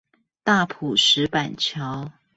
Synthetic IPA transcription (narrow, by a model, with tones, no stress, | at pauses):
t̪a˥˩pʰu˨˩ʂɻ̩˨˦pa˨˩nt͡ɕʰjɑ˨˦ʊ